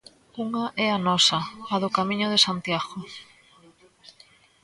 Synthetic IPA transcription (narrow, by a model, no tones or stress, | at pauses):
uŋɐʔɛanɔsɐaðʊkamĩɲʊðesant̪jaɣo